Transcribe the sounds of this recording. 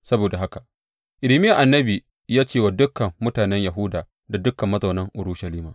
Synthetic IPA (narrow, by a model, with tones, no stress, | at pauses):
sɐ˦boː˨da˨ɦa˦ka˨ | ʔɪ˨lɪ˨mɪ˦ja˨ʔa˨nːɐ˦bi˨ | jaː˦t͡ʃeː˦˨waː˨dʊ˦kːɐ˨mːʊ˦taː˨nɛ˦ɲja˨ɦʊ˦daː˨ | da˨dʊ˦kɐ˨mːɐ˦zɐ˨wnɐ˦ŋʔʊ˨ɾu˦ʃɐ˨liː˦maː˨